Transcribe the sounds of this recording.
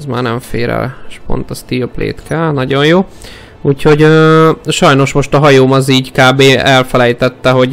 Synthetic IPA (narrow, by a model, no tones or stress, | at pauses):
zma̰ːrnɛɱfḛːɾɛ̰lʃpo̞̰nt̪ɒst̪iplḛːt̪kɛlnɒɟo̞njoː | uːcho̞ɟøʃɒjno̞ʃmo̞ʃt̪ɒɦɒjoːmɒziːɟkaːbeːɛlfɛlɛjt̪ɛt̪ːɛɦo̞ɟ